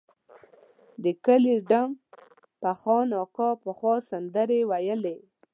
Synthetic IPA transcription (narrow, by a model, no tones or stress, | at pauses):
d̪əkəliɖam | paxɑnɑkɑpəxwɑsand̪əɾewajəle